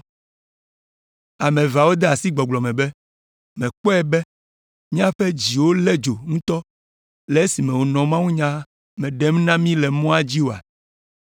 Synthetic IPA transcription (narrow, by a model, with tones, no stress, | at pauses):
a˨mẽ˨va˨wo˦d̪ɛ˦a˨si˦ɡ͡bɔ˨ɡ͡blɔ˨mɛ̃˨bɛ˦ | mɛ̃˨k͡pɔ˦ɛ˨bɛ˦ | mĩ˦a˦ɸɛ˦d͡ʑi˨wo˦lɛ˦d͡ʒo˨ŋũ˦t̪ɔ˦ | lɛ˨e˦si˨mɛ̃˨wo˨nɔ̃˨mã˦wu˦ɲã˦ | mɛ̃˨ɖɛ˦mnã˦mĩ˦lɛ˨mɔ̃˦a˦d͡ʑi˦wo˨a̰˨